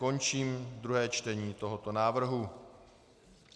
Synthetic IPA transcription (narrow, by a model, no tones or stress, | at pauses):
o̞nt͡ʃiːmd̪ɾuɦɛːt͡ʃt̪ɛɲiːt̪o̞ɦot̪o̞naːvr̩ɦu